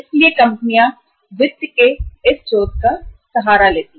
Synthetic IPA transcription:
ɪsliekɐ̃mpənijã | ʋɪd̪jkeɪst͡ʃoːt̪̚kasɐɦaːɾaleːt̪i

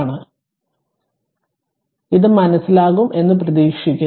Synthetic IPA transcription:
ɳɨ | iðɨmɐnɐsːilaːɣumʔe̞nːɨp̬rɐðiːkʂikʲːu

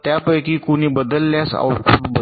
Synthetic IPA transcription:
t̪japəjkiːkuniːbəd̪əlːjasa̰wkʰuːʈbə

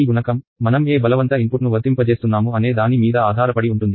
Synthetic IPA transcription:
ɡunɐkɐmːɐnɐme̞ːbɐlɐʋɐnt̪ɐimpuʈnuʋɐd̪impɐt͡ʃe̞ːst̪unːaːmuɐne̞ːd̪aːnimiːd̪ɐaːd̪ʱaːɾɐpɐɽiuɳʈund̪i

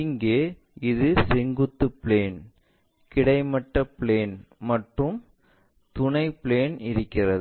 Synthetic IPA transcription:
ɪŋɡeː | ɪðɯsɛŋɡɯt̪ːɯpɪleːn | kɪɽɐɪmɐʈːɐpɪleːnmɐʈrɯm | t̪ʊnɐɪpɪleːnɪɾɯkːɪrɐð

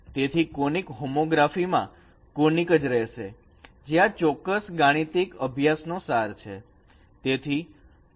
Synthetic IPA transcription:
t̪et̪ʰikonikɦomoɡɾafimã̰ | konikəd͡ʒɾɛʃe | d͡ʒeãt͡ʃɔkːəsɡaɽ̃it̪ikəbʱjasnosaɾt͡ʃʰḛ | t̪et̪ʰi

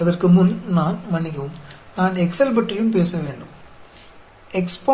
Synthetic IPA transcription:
ɐðɐrkɯmʊnnaːnmɐnɪkɐʊmnaːnɛksɐlp̬ɐʈːɐjɯmp̬eːsɐʋeːɳɖɯm | ɛkspo

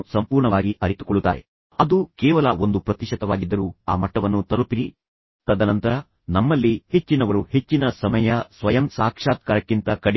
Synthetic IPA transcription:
sɐmpuːɾɳɐʋaːɡiʔɐɾit̪u̥koɭːut̪ːa̰ːɾḛ | ɐd̪ukɛːʋɐlɐo̞nd̪upɾɐt̪iʃɐt̪ɐʋaːɡid̪ːɐɾuːa̰ːmɐʈːɐʋɐnːut̪ɐɾupiɾi | t̪ɐd̪ɐnɐnt̪ɐɾɐ | nɐmːɐlːihe̞t͡ʃːinɐʋɐɾuhe̞t͡ʃːinɐsɐmɐjɐsʋɐjɐmsaːkʂaːt̪̚kaːɾɐkːint̪ɐkɐɽ

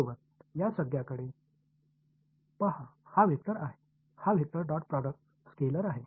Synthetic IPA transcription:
ʋət̪jasəɡjakəɽe | pəɦahaʋʱik̚t̪əɾaɦe | haʋʱik̚t̪əɾɖɔʈ̚pɾɔɖək̚ʈ | skeləɾaɦe

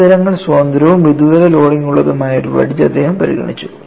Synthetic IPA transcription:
ɐɾɐŋːɐɭsoːnd̪ɾɐʋumʋid̪uɣɐlɐlo̞ːɽiŋɡuɭːɐðumaːjiʈuʋɐ̰ɽit͡ɕːɐd̪ːe̞ːhɐmpɐɾḭɣɐ̰ɳit͡ɕːu̥

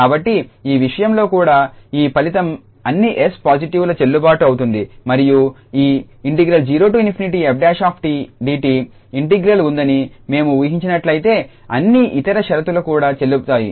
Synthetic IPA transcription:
kaːbɐʈːiiːʋiʂɐjɐmlo̞ːkuːɽaːiːpɐlit̪ɐm | ɐnːiʔespaːd͡ʒiʈiʋulɐt͡ʃe̞lːubaːʈuɐwut̪und̪imɐɾiju | iː | iɳʈiɡɾɐld͡ʒiːɾoːʈ̬uːjunipʰiniʈiɐp̚ɖaːʃaːpʰʈiɖiːʈiː | iɳʈiɡɾɐlund̪ɐnime̞ːmuujɐɦiɲt͡ʃinɐʈlɐjit̪e̞ː | ɐ̰nːiʔit̪ɐɾɐʃɐɾɐt̪ulɐkuːɽaːt͡ʃe̞lːut̪aːjḭ

